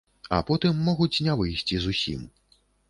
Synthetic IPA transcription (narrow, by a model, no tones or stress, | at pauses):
ɐ̰pɔt̪ɨmːɔɣut͡sʲnʲɛvɨjsʲt͡sʲizusʲḭm